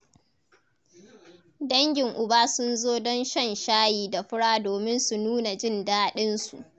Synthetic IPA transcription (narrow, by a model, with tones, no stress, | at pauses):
dɐ˦ŋɡʲɪ˨ŋʔʊ˨baː˦sʊ˦nzoː˦dɔ˦nʃɐ˦˨nʃaː˦jiː˨da˨ɸʊ˦ɽaː˦doː˨mɪ˦nsu˨nuː˦na˨d͡ʒɪ˦˨ndaː˦ɗɪ˦nsu˨ʔ